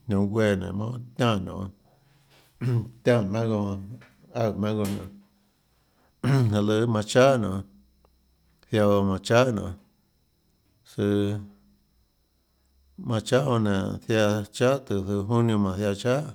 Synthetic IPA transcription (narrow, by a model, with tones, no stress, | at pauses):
nõ˧wʷe˧˨nḛ̃˨mã˦t̪ʲã˦˨nõ̰˨˧ | t̪ʲã˦mã˦ɡo˧ | a˦˧˨mã˦ɡo˧nã̰˨ | a˧lɨ˧˦mã˧t͡ʃa˦nõ˨˧ | θja˧mã˨t͡ʃa˦nõ̰˨˧ | sɨ˧ | mã˧t͡ʃa˦o˧nẽ˨θja˧t͡ʃa˦t̪u˧sɨ˧ɦũ˦nũ˧mã˨θja˧t͡ʃa˦